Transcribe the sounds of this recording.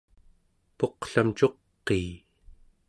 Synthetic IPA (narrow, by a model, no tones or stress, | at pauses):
po̞qɬamt͡ʃo̞qːeː